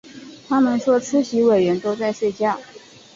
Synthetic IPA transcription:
t̪ʰa˥mə˨nʂwɔ˥ʈ͡ʂ̩ʰ˥ɕi˧˥we˨˩ɥɛ˧˥nt̪o˥ʊt͡sa˥˧ɪʂwe˥˧ɪt͡ɕja˥˩

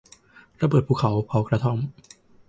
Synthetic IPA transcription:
ɾa˧bəɤː˨˩t̪̚pʰuː˧˩kʰa˩˦wkʰa˦˥wkɾa˧t̪ʰo˥˩m

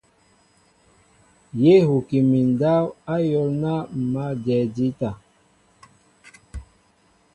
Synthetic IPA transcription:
je˦hu˨ki˨mi˨n˨da˦wa˦jɔ˨lna˦˨ma˦d͡ʒɛ˨di˦ta˨

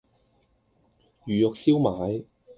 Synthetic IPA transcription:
jyː˨jʊ˨k̚siː˥wmaː˨˥j

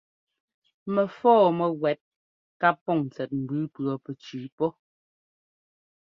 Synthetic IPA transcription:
mɛ˨fɔː˦˨mɛ˨ɣwɛ˨˦t̚ | ka˦pːɔ˦˨ŋn˨t͡sɛ˨t̚m̩˨bʉ˨˦pɰɔ˨pɛ˨t͡ʃiː˨˦pɔ˦

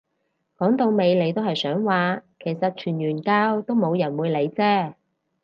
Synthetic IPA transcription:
kɔː˨˥ŋt̪o˨˧wme˨˧jle˨˧jt̪o˥whɐ˨jsœː˨˥ŋwaː˨˧kʰe˨˩jsɐ˨t̚t͡ʃʰyː˨˩njyː˨˩nkaː˥wt̪o˥wmo˨˧wjɐ˨˩nwuː˨˧jle˨˧jt͡sɛː˥

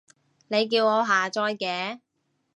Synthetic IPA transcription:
ne˨˧jk̬iː˧wŋɔː˨˧ɦaː˨˩t͡ʃɔː˧jkɛː˨˧

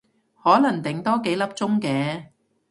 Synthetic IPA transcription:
hɔː˨˥lɐ˨˩ŋt̪ɪ˨˩ŋt̪ɔː˥ke˨˥jlɐ˥p̚t͡sʊ˥ŋkɛː˨˧

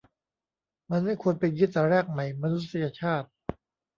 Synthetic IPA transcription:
ma˧nma˥˩jkʰu˧ənpe˧nɡi˦˥t̪̚t̪a˨˩ɾɛː˥˩k̚ma˩˦jma˧nu˦˥t̪̚sa˧ja˧t͡ɕʰaː˥˩t̪̚

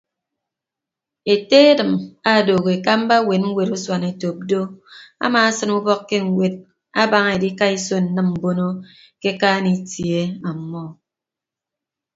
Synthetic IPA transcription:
e˨te˦e˦dɨ˨ma˦˨do˨ɣe˨ka˦m̩˦ba˦we˨n̚ŋ̩˦we˨ɾo˦swa˨ne˨to˨p̚do˦a̰˦maː˨a˦sɨ˦nu˦bɔ˦kːe˦ŋ̩˨we˦t̚ | a˦ba˦ŋe˨di˦ka˦i˦so˦n̩˨nɨ˦mm̩˨bo˦no˦ | ke˦ka˦ni˨tje˦a˨˦mːɔ˦

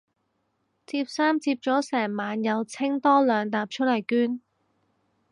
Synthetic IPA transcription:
t͡siː˧p̚saː˥mt͡siː˧p̚t͡ʃɔː˨˥sɛː˨˩ŋmaː˨˧njɐ˨˧wt͡sʰɪ˥ŋt̪ɔː˥lœː˨˧ŋt̪aː˧p̚t͡ʃʰɵ˥lɐ˨˩jkyː˥n

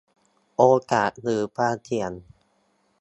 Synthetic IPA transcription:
ʔoː˧kaː˨˩t̪̚ɾɯː˩˦pʰaː˧˩t̪ʰi˧˩˦ən

